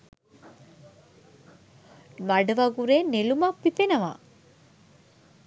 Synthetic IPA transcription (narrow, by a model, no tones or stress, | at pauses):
mɐɖəʋɐɡuɾeːnelumɐpːipenɐʋa̰